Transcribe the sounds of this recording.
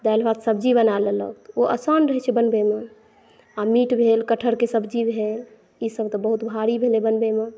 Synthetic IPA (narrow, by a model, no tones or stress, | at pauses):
d̪albad̪səbd͡ʒibənalelə̰t̪oʔə̰sanɾəɦɛt͡ʃʰɛbənbeme | amiʈbʱelkəʈʰəɾkesəbd͡ʒibʱel | isəbt̪ɔbəɦut̪bʱaɾibʱelebənbeme